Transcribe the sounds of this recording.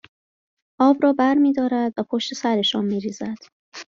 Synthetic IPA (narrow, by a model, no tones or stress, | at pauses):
ʔɒːbɾɒːbæɾmiːd̪ɒːɾæd̪væpʰoʃt̪e̞sæɾe̞ʃɒːnmiːɾiːzæd̪̥